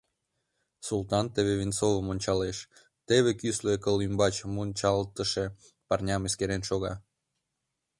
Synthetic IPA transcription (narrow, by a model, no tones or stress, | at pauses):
sult̪ɑnt̪eβeβint͡soβəmonʲt͡ɕɑleʃ | t̪eβekysløkəlymbɑt͡ɕmonʲt͡ɕɑlt̪əʃe | pɑrnʲɑmeskeɾenʃoɣɑ̰